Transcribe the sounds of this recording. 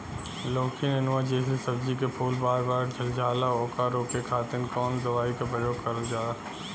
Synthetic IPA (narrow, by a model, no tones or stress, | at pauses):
loːkʰiənɪnãd͡ʑeːɦlisɐbzikepʰuːlbaːɾbaːɾd͡ʒʱɐld͡ʒʱaːlaɔːkaɾoːkekʰaːt̪ɪnkɔːnzɐʋaːikʰepɐjoːɡkɐɾəld͡ʑaː